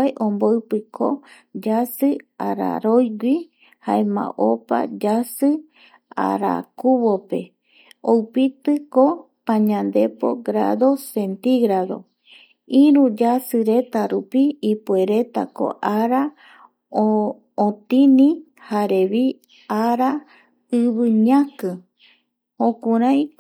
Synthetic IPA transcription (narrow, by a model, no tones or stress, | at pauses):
jʔõmboɨpɨkʰo̰ | d͡ʒasɨaɾa̰ɾojɡʷi | haemã̰ʔopa̰d͡ʒasɨ | a̰ɾa̰kuβo̞pe̞ | owpit̪ɨko̞ | pãɲãnd̪e̞po̞̰ɡɾa̰ðo̞se̞nt̪iɡɾaðo̞̰ | ĩɾũd͡ʒasɨɾe̞t̪aɾupiːpue̞ɾe̞t̪a̰ko̰ʔaɾa | ot̪ĩnĩ | haɾe̞βi | aɾa | ɨβɨɲãkɨ | õkuɾ̃ãj̃